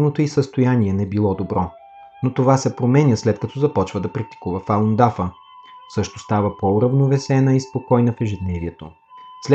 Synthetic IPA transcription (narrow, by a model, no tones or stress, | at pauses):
not̪oisəst̪ojaniɛnɛbilˠɔd̪obɾɔ | not̪ovasɛpɾomɛnʲəslɛt̪̚kɐt̪ʰɔzɐpɔt͡ʃvəd̪ɐpɾɐk̚t̪i̥kuvəfalˠond̪afə | sɤʃt̪ost̪avəpouɾɐvnovɛsɛnəispokɔjnɐfɛʒɛd̪nɛviɛt̪o | slɛ